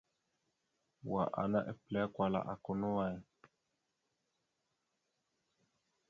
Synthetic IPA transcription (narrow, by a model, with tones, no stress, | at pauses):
wa˨ʔa̰˨na˦ʔɛ̰˨plɛ˨˦kwa˨la̰˨ʔa˨ko˨no˦wa˨ɛ˨